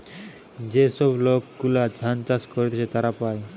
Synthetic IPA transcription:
d͡ʑesɔblokːulad̪ʱant͡ɕaskɔɾet̪ʰeset̪aɾapaj

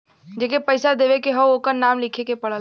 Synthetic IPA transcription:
d͡ʒeːkepəɪsad̪eːʋekeɦəokənaːmlɪkʰekepɐɽə

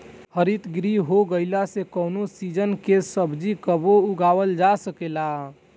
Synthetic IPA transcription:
həɾit̪ɡɾiɦoɡəɪlasekəʊnosid͡ʒənkesəbd͡ʒikəbouɡawəld͡ʒasəkela

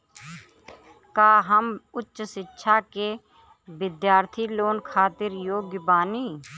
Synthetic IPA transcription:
kaːɦəmʊtːʃsɪtːʃʰaːkeː | ʋɪd̪jaːɾt̪ʰiːloːnkʰaːt̪ɪɾjoːɡjəbaːniː

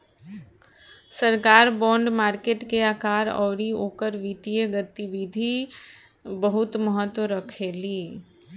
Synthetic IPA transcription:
səɾkaːɾbɔ̃ːɳɖmaːɾkeːʈkeaːkaːɾɔ̰ːɾioːkəɾʋit̪iəɡət̪iʋid̪ʱi | bəɦʊt̪məɦət̪wəɾəkʰeːliː

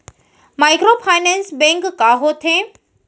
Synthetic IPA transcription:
maːɪkɾopʰaːɪnɛ̃ːnsbɛ̃ŋkːaːɦot̪ʰẽ

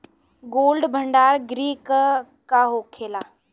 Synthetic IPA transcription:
ɡoːlɖbʱəɳɖaːɾɡɾiːk | kaɦoːkʰeːlaː

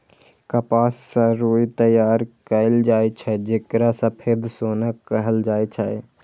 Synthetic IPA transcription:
kəpaːsːə̃ɾoit̪əjaːɾkəɪld͡ʒaːɛt͡ʃʰɛd͡ʒekɾasə̃pʰed̪soːnəkːəɦəld͡ʒaːet͡ʃʰə

